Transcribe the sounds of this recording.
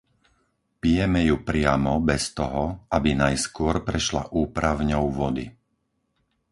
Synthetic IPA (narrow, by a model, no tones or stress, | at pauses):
pijɛmɛjupɾɪamɔbɛst̪ɔɦɔabinajskʊɔɾpɾɛʃla̰ʔuːpɾaʊɲɔʊʋɔd̪ḭ